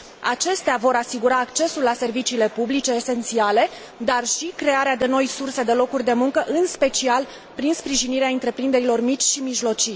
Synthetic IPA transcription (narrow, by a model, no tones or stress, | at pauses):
a̰t͡ʃe̞st̪eavo̞ɾasiɡuɾaːkt͡ʃe̞sulːase̞rvit͡ʃiːle̞publit͡ʃe̞ːse̞nt̪siale̞ | d̪arʃikɾe̞aɾead̪e̞no̞jsurse̞d̪e̞lo̞kurʲd̪e̞muŋkəʔɨnspe̞t͡ʃial | pɾinspɾiʒiniɾeaɨnt̪ɾe̞pɾind̪e̞ɾilo̞rmit͡ʃʲʃimiʒlo̞t͡ʃi